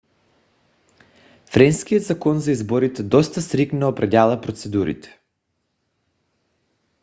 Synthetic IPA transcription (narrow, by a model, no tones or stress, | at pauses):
fɾɛnskijot̪zakɔnzaizbɔɾit̪ɛd̪ɔst̪asɾiknaɔpɾadʲalˠapɾot̪sɛd̪uɾḭt̪ɛ̥